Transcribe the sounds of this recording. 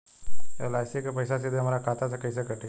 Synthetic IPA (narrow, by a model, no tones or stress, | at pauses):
ḛlajsikpəjsasid̪ʱemaɾakat̪at͡sakəjsəkəʈʰi